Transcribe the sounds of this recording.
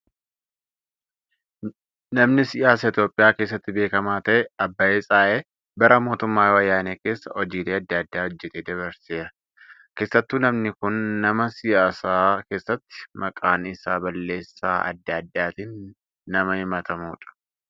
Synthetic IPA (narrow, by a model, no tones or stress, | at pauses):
nɐmnɪsɪʔaːsɐɪt̪jo̞ːpʼːɪjaːke̞ːs̬ːɐt̪ːɪbe̞ːkɐmaːt̪ɐʔɛɐbːɐeːsʼaːʔeː | bɐɾɐmo̞ːt̪ʊmːaːwɐjaːneːke̞ːsːɐɔd͡ʒiːleːɐd̪ːɐd̪ːaːhɔd͡ʒːɛt̪eːd̪ɐβɐɾseːɾɐ | ke̞ːsːɐt̪ːuːnɐmnɪkʊnːɐmɐsɪjaːsaːke̞ːsːɐt̪ːɪ̥mɐkʼaːnɪsaːbɐlːe̞ːsːaːʔɐ̰d̪ːɐːd̪ːaːt̪iːnː | ɐmɐhɪmɐt̪ɐmuːᶑɐ̥